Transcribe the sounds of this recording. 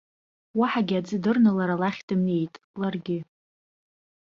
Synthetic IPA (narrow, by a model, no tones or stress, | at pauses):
waħaɡʲɪad͡zɨdɨrnalaɾalaχʲdɨmne̞jtʼ | larɡʲɪ